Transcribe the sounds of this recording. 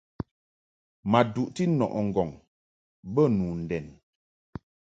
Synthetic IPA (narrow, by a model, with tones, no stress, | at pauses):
ma˨du˨ʔti˦nɔ̰˨ʔɔ˨ŋ̩˨ɡɔ˨ŋ | bə˦˨nu˨n̩˨dɛ˨n